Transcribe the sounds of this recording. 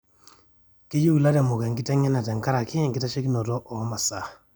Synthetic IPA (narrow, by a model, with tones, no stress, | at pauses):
ke˦ju˦ɡla˦de˨mu˨ka˨ŋɡi˦ta˦ŋɛ˦na˨tɛ˨ŋka˦ɾa˨ki˦˨ŋɡi˦ta˦t͡ʃe˦ki˦no˨tɔ˦ʔɔ˨˦ma˨sa˦˨